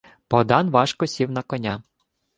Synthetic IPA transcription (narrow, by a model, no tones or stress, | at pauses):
pɔd̪ɑnʋɑʃkɔsʲiwnɐkɔnʲa